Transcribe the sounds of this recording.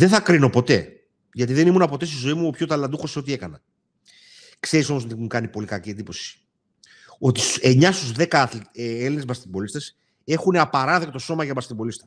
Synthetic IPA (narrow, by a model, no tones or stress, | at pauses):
ðeθɐkɾino̞po̞t̪e̞ | ʝɐt̪iðe̞nimunɐpo̞t̪e̞st̪izo̞imuopço̞t̪ɐlɐnd̪uxo̞seo̞t̪ie̞kɐnɐ | kse̞ɾiso̞mosot̪imukɐnipo̞likɐciend̪ipo̞si̥ | o̞t̪iseɲɐst̪uzðe̞kθleelinezmɐst̪ibo̞list̪ɐs | e̞xune̞ɐpɐɾɐðekt̪oso̞mɐʝɐmɐst̪ibo̞list̪ɐ̥